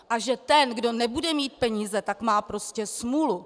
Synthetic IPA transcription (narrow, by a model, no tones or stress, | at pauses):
ʔaʒɛt̪ɛnɡdo̞nɛbudɛmiːt̪̚pɛɲiːzɛt̪akmaːpɾo̞scɛsmulu